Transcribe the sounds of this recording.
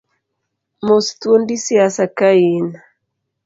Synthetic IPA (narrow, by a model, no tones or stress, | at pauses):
mostwondisiasakaina